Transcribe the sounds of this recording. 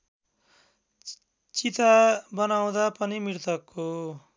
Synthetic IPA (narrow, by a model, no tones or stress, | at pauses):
t͡sit̪abʌnaw̃d̪apʌnimirt̪ʰʌkːo